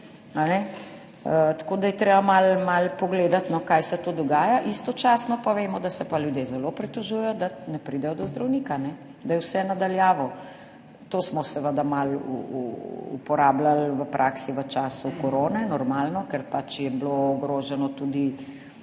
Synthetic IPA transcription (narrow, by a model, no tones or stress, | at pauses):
anɛ | ət̪ḁkoːd̪ajɛt̪ɾeːbamalmalpɔɡleːd̪at̪nɔkajsɛt̪oːd̪ɔɡaːjaʔist̪ɔt͡ʃaːsnɔpaʋeːmɔd̪asɛpaljud̪jezɛlopɾɛt̪ɔʒujɛjɔd̪anɛpɾid̪ɛjɔd̪ɔzd̪ɾawniːkanɛ | d̪ajɛwsɛnad̪aljaːʋɔ | t̪osmɔsɛʋəd̪amal̰ | ṵpɔɾaːblalʋəpɾʔaːksiʋət͡ʃaːsukɔɾoːnɛnɔɾmaːlnɔkɛɾpat͡ʃjɛbloːɡɾoːʒɛnɔt̪ud̪i